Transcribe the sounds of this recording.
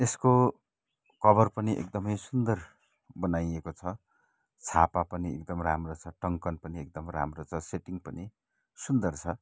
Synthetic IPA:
esko | kʌbʌrpʌniʔḛk̚d̪ʌmʌjsund̪ʌr | bʌnajekot͡sʰʌ | t͡sʰapapʌniḛk̚d̪ʌmramrot͡sʰʌʈʌŋkʌnpʌniek̚d̪ʌmɾa̰mrot͡sʰʌseʈiŋpʌni | sund̪ʌrt͡sʰʌ

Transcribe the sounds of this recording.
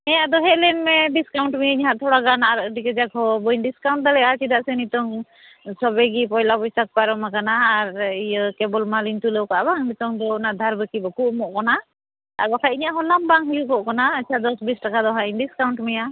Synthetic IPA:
ɛjaʔd̪ɔɦɛʔlɛnmɛɖiskawɳʈmijiɲɦaʔt̪ʰɔɽaɡanaʔaɾʔɖikɛd͡ʒakhɔbɔinɖiskawɳʈ̚d̪alɛat͡ʃid̪aʔsɛnit̪ɔŋ | sɔbɛɡipɔjlabɔjt̪ak̚paɾɔmakanaːɾijəkɛbɔlmalint̪uləwkaʔabaŋnit̪ɔŋd̪ɔnad̪ʱaɾbəkibɔkuʔmɔʔkɔna | a̰ɡɔkʰaiɲaʔɦɔlambaŋɦujukɔʔkanaət͡ʃʰad̪ɔsbisʈakad̪ɔɦainɖiskawɳʈmɛja

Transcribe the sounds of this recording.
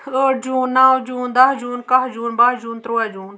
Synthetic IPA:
əːʈ̚d͡ʒuːnːaːwd͡ʒuːnd̪ɐɦd͡ʒuːnkɐɦd͡ʒuːnbaɦd͡ʒuːnt̪ɾuad͡ʒuːn

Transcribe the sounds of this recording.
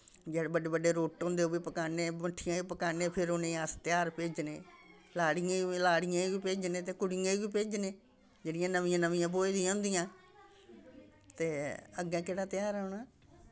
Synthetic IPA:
d͡ʒɛːɽbəɖeːbəɖeːɾoːʈɦõːnd̪eːɦoːbiːpəkaːneːməʈʰːɪjãːiːpəkaːneːpʰɪɾoːnẽːaːst̪ɪjaːɾpeːd͡ʒneː | laːɽɪjãːlaːɽɪjãːiʋiːpeːd͡ʒneːt̪eːkʊɽijãːiʋiːpeːd͡ʒneː | d͡ʒeːɽɪjãːnəʋĩːãːnəʋĩjãːboːeːd̪ɪjãːʊnd̪ɪjãː | t̪eːəɡɛ̃ːkeːɽaːt̪ɪjaːɾaʊɳaː

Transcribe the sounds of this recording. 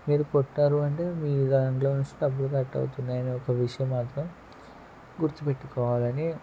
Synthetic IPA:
miːɾukɔʈːaːɾuɐɳʈe̞ːmiːid̪ɐnɐŋloːnusɐbːuɽuk̪ɐʈːɐ̰wut̪unːaːjɐniɔkɐʋiʂɐjɐmːaːt̪ɾɐm | ɡuɾt̪upe̞ʈːukɔːʋaːlɐni

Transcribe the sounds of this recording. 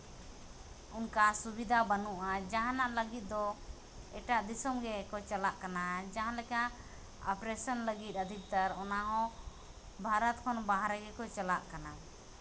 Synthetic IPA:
unkasubid̪ʱabanuʔad͡ʒaɦanaʔləɡit̪̚d̪ɔ | ɛʈaʔd̪isɔmɡɛkɔt͡ʃalaʔkanad͡ʒaɦãlɛkaʔ | ɔpɾɛsɔnləɡit̪̚ˀəd̪ʱik̚t̪aɾɔnaɦɔ̃ | bʱaɾat̪̚kʰɔnbaɦaɾɛɡɛkɔt͡ʃalaʔkana

